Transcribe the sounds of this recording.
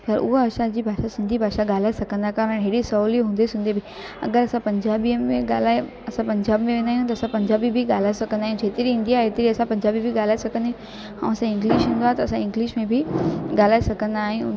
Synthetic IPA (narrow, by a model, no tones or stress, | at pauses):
sɐɾʊ̰ɦoɐsãd͡ʑiːbʱaːʃasɪ̃nd̪ʱibʱaːʃaɠaːl̤aːesɐɡʱə̃nd̪aːkaːɾəɽɦeːɽisɐuːliɦũːnd̪esʊ̃nd̪ebʱɪ | ɐ̰ɡəɾɐsãpɐ̃ɲd͡ʑaːbiəmẽɡaːl̤aːe | ɐsãpɐ̃ɲd͡ʑaːbmẽʋẽːnd̪aːɦjũt̪ɐsãpɐ̃ɲd͡ʑaːbibɪɡaːl̤aːesɐɡʱə̃nd̪aːɦjũd͡ʑeːt̪ɪɾiɦuːnd̪iaːeːt̪ɪɾiɐsãpɐ̃ɲd͡ʑaːbibʱiɠaːlaːesɐɡʱə̃nd̪ã | ɦã̰ːũɐsãɪ̃ŋɡliːʃɦũnd̪oaːɦet̪ɐɐsãɪ̃ŋɡliːʃmẽbʱɪɡaːl̤aːesɐɡʱə̃nd̪aːɦɪ̃j̃